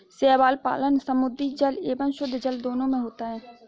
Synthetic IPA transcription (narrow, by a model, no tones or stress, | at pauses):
sɛːbaːlpa̰ːlənsəmʊd̪id͡ʒəleːbənʃʊd̪ʱːd͡ʒəld̪oːnõmẽɦoːt̪aɦɛː